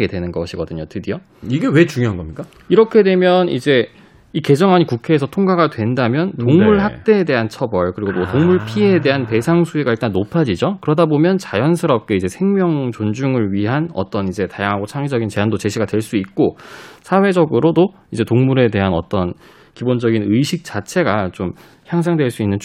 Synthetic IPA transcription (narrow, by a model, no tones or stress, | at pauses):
ɡedwe̞nɯnɡʌɕʰiɡʌdɯɲotʰɯdijo | iɡewe̞t͡ɕuŋjoɦanɡʌmɲik͈a | iɾʌkʰe̞dwe̞mjʌnid͡ʑe̞ | ike̞d͡ʑʌŋɦaɲikukʰe̞ːsʰʌtʰoŋɡaɡadwe̞ndamjʌntoŋmuɭɦak̚t͈e̞ːde̞ɦant͡ɕʰʌbʌɭkɯɾiɡomotoŋmuɭpʰie̞de̞ɦante̞sʰaŋsʰuiɡaiɭt͈anːopʰad͡ʑid͡ʑokɯɾʌdabomjʌnt͡ɕajʌnsʰɯɾʌp̚k͈e̞id͡ʑe̞sʰe̞ŋmjʌŋt͡ɕond͡ʑuŋɯɭɥiɦanʌ̰t͈ʌnid͡ʑe̞tajaŋɦaɡot͡ɕʰaŋid͡ʑʌɡint͡ɕe̞ɦandot͡ɕe̞ɕʰiɡadwe̞ɭs͈uit̚k͈osʰawe̞d͡ʑʌɡɯɾodo | id͡ʑe̞toŋmuɾe̞de̞ɦanʌ̰t͈ʌn | kibond͡ʑʌɡinɯiɕʰik̚t͡ɕ͈at͡ɕʰe̞ɡat͡ɕom | çjaŋs̬ʰaŋdweɭs͈uinːɯn